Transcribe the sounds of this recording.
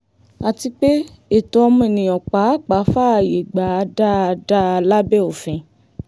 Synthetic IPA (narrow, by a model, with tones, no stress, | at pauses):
a˨ti˧k͡pe˦ | e˨to˧ɔ˧mũ˦e˨nĩ˨ɔ˨k͡pa˨˦k͡pa˨˦fa˦˧˨je˨ɡ͡ba˨a˧da˦˧da˦a˧la˦bɛ˦o˨fɛ̃˨